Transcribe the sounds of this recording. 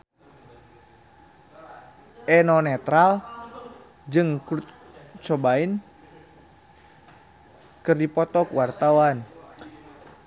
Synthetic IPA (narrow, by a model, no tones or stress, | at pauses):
ʔɛnɔnɛt̪ɾal | d͡ʒɨŋkut̪ | t͡ʃɔbain | kɨrdipɔt̪ɔkwart̪awan